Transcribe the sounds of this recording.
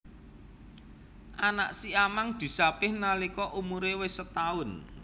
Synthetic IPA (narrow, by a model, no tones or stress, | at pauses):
ʔanaʔsiamaŋd̪̥i̤sapɪhnalikɔʔumuɾewɪsət̪aʊn